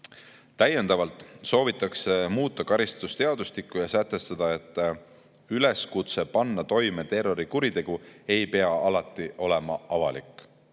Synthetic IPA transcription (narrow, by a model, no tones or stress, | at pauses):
t̪æjːe̞nd̪̥ɑvɑlt̪ˑso̞ːvit̪ːˑɑksemuːt̪ːˑɑkɑɾist̪ust̪e̞ɑd̪ust̪ikːˑujɑsæt̪ˑːe̞st̪ɑd̪̥ɑe̞t̪ːˑ | yle̞skut̪se̞pɑnːɑt̪o̞jme̞t̪e̞rːo̞ɾikuɾit̪e̞ɡ̥ue̞jpe̞ɑɑlɑt̪ˑːiʔo̞le̞mɑɑvɑlikːˑ